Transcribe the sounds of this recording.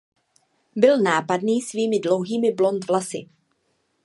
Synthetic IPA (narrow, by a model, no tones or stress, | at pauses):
bɪlnaːpadniːsviːmɪdlo̞wɦiːmɪblo̞nt̪vlasɪ̰